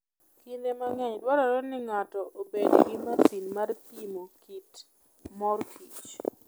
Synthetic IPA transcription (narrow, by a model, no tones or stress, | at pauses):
kindemaŋɛɲdwɔɾaɾonɪŋatɔobed̰ɡɪmasinmarpimokit | mɔrkʰit͡ʃ